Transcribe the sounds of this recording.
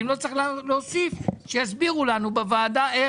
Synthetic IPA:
mlo̞t͡sχlleosifʃejasbiʁulanubevaːdae

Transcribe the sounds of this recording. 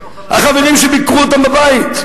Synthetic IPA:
ha̰χaveʁimʃebikʁuot̪ambabait̪

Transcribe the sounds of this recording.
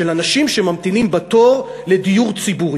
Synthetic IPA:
elanaʃimʃemamt̪inimbat̪o̞ʁ | le̞dijuʁt͡sibuʁi

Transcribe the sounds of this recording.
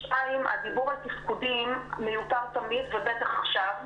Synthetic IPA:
ʃaima̰dibuʁhat̪ifkudimːejutaʁt̪amidvebet̪aχaχʃav

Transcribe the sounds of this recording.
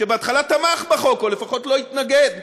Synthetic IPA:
ʃebeat̪χalat̪amaχbaχo̞kolefaχo̞tlo̞it̪naɡed̪

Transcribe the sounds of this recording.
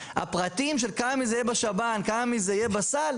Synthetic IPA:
a̰pʁat̪imʃ̬elkamamizejebaʃabankamamizejebasal

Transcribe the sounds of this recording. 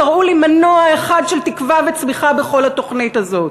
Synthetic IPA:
aʁulimanoaeχad̪ʃelt̪ikvavet͡smiχabeχo̞lhat̪o̞χnit̪azo̞t

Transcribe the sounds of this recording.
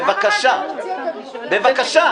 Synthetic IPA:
vakaʃa | bevakaʃa

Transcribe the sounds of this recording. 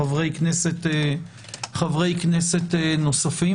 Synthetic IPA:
avʁejkneset̪e | χavʁejkneset̪enosafi

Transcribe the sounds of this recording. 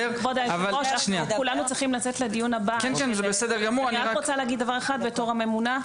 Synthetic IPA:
eʁbod̪aavaloʃaʃniakulanut͡sʁiχimlat͡set̪led̪ijunhabakenkenzebesed̪eʁɡamuʁaniaaʁot͡saleaɡid̪dːavaʁeχad̪̚be̞t̪o̞ʁhame̞muna

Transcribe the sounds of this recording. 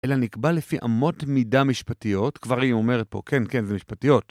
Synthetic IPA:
ʔelanikbalefiʔa̰mo̞tmidamiʃpatijo̞tkvaʁiome̞ʁet̚po̞̰kʰenkenzemiʃpatijo̞t

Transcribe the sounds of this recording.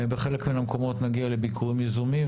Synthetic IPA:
beχelekminamko̞mo̞t̪naɡialebikʰuʁimjezumim

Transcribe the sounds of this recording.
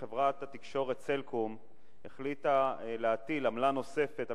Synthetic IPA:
evʁat̪at̪ikʃo̞ʁet̪t͡selkʰum | eχlit̪aleat̪ilamlano̞se̞fe̞t̪a

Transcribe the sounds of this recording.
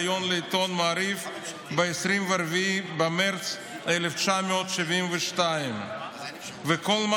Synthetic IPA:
jonleit̪onmaːɾif | beesɾimveaɾvibameɾt͡s | eleft͡ʃameot̪ʃivimveʃtaim | vekolma

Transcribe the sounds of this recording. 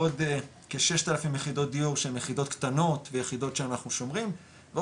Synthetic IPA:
od̪ | keʃe̞ʃt̪alafimjeχido̞t̚d̪ijuʁʃeemjeχido̞t̪kt̪ano̞tvejeχido̞tʃeanaχnuʃo̞mʁim | ve

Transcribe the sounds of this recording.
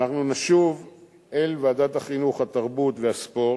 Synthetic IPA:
naχnunaʃuv | elvaːdat̪haχinuχhat̪aʁbut̪veaspo̞ʁ

